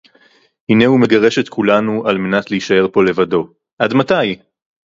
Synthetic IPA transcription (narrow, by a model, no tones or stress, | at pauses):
hine̞hume̞ɡaʁe̞ʃet̪kulanuʔalme̞natleiʃae̞ʁpo̞le̞vado̞ | ʔadmataj